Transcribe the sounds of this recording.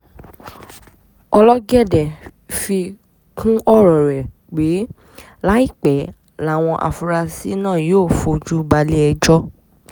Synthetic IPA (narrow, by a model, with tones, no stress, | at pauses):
ɔ˧lɔ˦ɡɛ˦˨dɛ˨fi˧ | kʰũ˦ɔ˦ɾɔ˨ɾɛ˨ | k͡pe˨˦ | la˦i˦˨k͡pɛ˨ | la˨˦˨w̃ɔ̃˧ʔa̰˨fu˧ɾa˧si˦nãː˦˨joː˦˨fo˧˦d͡ʒu˦ba˧˦le˦ɛ˧d͡ʒɔ˦